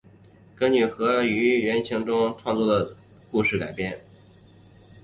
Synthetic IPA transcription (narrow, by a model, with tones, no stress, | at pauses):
kə˥ŋny˨˩xɤ˧˥y˧˥ɥɛ˧˥nt͡ɕʰi˧˥ŋʈ͡ʂʊ˥ŋʈ͡ʂʰwɑ˥˧ŋt͡swɔ˥˩d̪ə˩ | ku˥˧ʂɻ̩˥˩ka˨˩ɪpjɛ˥n